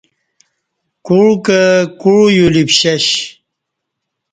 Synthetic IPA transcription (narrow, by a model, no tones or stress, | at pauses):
kuɻkəkuɻjulipɕɐɕ